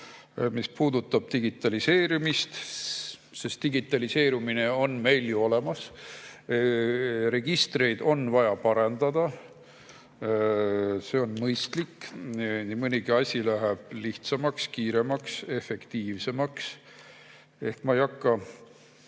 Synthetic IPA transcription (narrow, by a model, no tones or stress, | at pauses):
mispuːd̪̥ut̪ːˑɑb̥̚t̪iɡ̥it̪ːˑɑlise̞ːɾimist̪ | se̞st̪iɡit̪ːˑɑlise̞ːɾumine̞o̞nme̞jljuo̞le̞mɑs | re̞ɡ̥ist̪re̞jd̪o̞nvɑjɑpɑɾend̪̥ɑd̪̥ɑ | se̞o̞nmɤjst̪likːnimɨnʲiɡiɑsʲilæɦɛb̥liht̪sɑmɑkskiːɾe̞mɑkse̞fe̞kt̪iːvse̞mɑks | e̞hkmɑejɑkːɑ